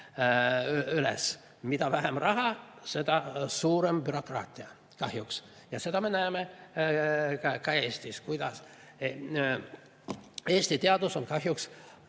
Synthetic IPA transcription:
ylḛs | mid̪̥ɑvæɦemrɑɦɑse̞d̪̥ɑsuːɾe̞mb̥yɾo̞krɑːt̪ʲˑiɑ | kɑhjuks | jɑse̞d̪̥ɑme̞næeme | kɑkɑe̞ːst̪iskujd̪̥ɑs | e̞ːsʲt̪it̪eɑd̪̥uso̞nkɑɦjuks

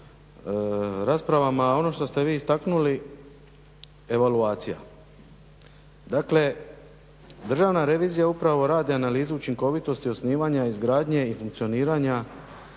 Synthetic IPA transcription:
ɾaːspɾaʋamao̞no̞ʃt̪o̞st̪e̞ʋiːst̪aknuli | e̞ʋaluaːt̪sija̰ | d̪akle̞ | d̪rʒaʋnaɾe̞ʋiːzijaupɾaʋo̞ɾaːd̪ianaliːzuut͡ʃiŋko̞ʋit̪o̞st̪io̞sniːʋaɲaizɡɾaːd̪ɲe̞ifuŋk̪̚sio̞niːɾaɲa

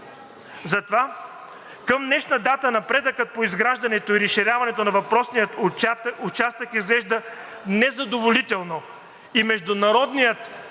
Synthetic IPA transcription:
zɐt̪ova | kəmnɛʃnəd̪at̪ənɐpɾɛd̪əkət̪̚poizɡɾaʒd̪ɐnɛt̪oiɾɛʃiɾʲavɐnɛt̪onɐvɐpɾɔsnijət̪ʊt͡ʃast̪əkizɡlɛʒd̪ə | nɛzɐd̪ovolit̪ɛlˠno | imɛʒd̪ʊnɐɾɔd̪nijət̪

